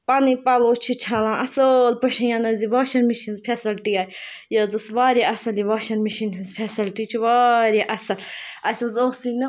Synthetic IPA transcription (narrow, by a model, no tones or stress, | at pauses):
panipaloːt͡ʃʰit͡ʃʰalãːʔɐsəlpɐʃɐjaːnɐziʋaːʃɐnmiʃinzpʰesɐlʈiaːj | jɐzɐsʋaːɾiʔɐsɐliʋaːʃɐnmiʃininzpʰesɐlʈit͡ʃʰiʋaɾiʔɐsɐlɐsʲɐzoːɡsinɐ